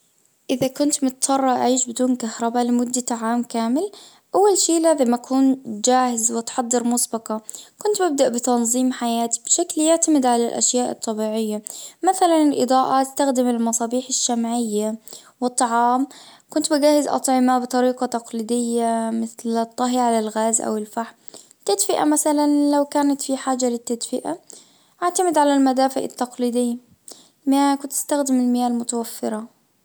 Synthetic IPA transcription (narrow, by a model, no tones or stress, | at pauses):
ʔɪðakʊnt̪mʊt̪sɑrˤːɑʔa̰ʕiːʃbɪd̪uːnkahɾˤɑbalɪmʊd̪ːat̪aʕaːmkaːmɪl | ʔawːalʃiːlaːðamːaʔakʰuːnd͡ʒaːhɪzwɪt̪ħɑd̪ˤːɨɾmʊsbɑqɑkʊnt̪bɪb̚d̪aʔbɪt̪ɑnðˤiːmħajaːt̪i̥bʃakljɪʕt̪amɪd̪ʕalalʔa̰ʃjaːʔɨ̰t̪ˤːɑbiːʕɪjːamaθalanɪlʔɨ̰d̪ˤɑːʔat̪ɪst̪axd̪ɪmɪlmɑsˤɑːbiːħɪʃːamʕɪjːa | wɨt̪ˤːɑʕɑːmkʊnt̪bɪɡaːhɪzʔɑ̰t̪ˤʕɪmabɨt̪ˤɑɾiːqɑt̪ɑqliːd̪ɪjːamɪθlt̪ˤːɑɦiʕalalɣaːzʔa̰wɪlfaħm | t̪ːad̪fɪʔa̰maθalanlawkaːnat̪fiħaːd͡ʒːalɪt̪ːad̪fɪʔa | ʔaʕt̪amɪd̪ʕalalmad̪aːfɪʔɪ̰t̪ːɑqliːd̪ɪjːa | mɪjaːkʊnt̪ːɪ̥st̪axd̪ɪmɪlmɪjaːlmʊt̪awafːɪɾˤɑ